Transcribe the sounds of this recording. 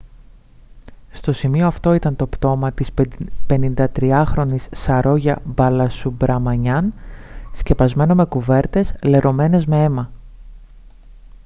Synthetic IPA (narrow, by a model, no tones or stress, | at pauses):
st̪o̞simioɐft̪o̞it̪ɐnt̪o̞pt̪o̞mɐt̪ispe̞nind̪ɐt̪ɾiɐxɾo̞nisːɐɾo̞ʝɐbɐlɐsubɾʔɐmɐɲɐnsce̞pɐzme̞no̞me̞kuve̞ɾt̪e̞sle̞ɾo̞me̞ne̞zme̞e̞mɐ